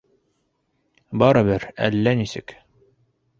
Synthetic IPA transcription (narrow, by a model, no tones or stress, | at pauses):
bɑɾɤbɘɾæ̰lːænisɘ̰k